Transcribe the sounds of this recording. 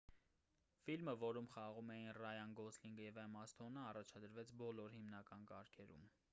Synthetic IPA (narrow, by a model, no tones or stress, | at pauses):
filməvɔɾumχɑʁumɛjinrɑjɑnɡɔsliŋɡjɛvɛmɑst̪ʰɔnəɑrɑt͡ʃʰɑd̪əɾvɛt͡sʰbɔlɔɾhimnɑkɑnkɑɾkʰɛɾṵm